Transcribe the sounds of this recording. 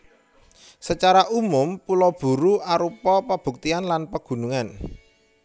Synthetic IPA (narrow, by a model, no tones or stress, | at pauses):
sət͡ʃaɾaʔumʊmpulɔb̥ṳɾuaɾupɔpəb̥ṳk̚t̪ianlanpəɡ̥ṳnuŋan